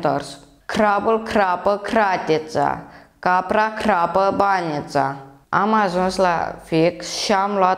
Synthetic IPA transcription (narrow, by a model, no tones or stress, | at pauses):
t̪əɾs | kʰɾabulkʰɾapəkʰɾat̪ʲet͡sa̰kapɾakʰɾapəbanit͡sa̰ | amazɔ̃sla̰fekɕamla